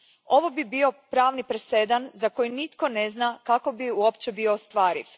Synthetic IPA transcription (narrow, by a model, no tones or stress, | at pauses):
o̞ʋo̞bibio̞pɾaːʋnipɾese̞d̪anzako̞jinit̪ko̞neznakako̞biuo̞pt͡ɕebioːst̪ʋaːɾḭʋ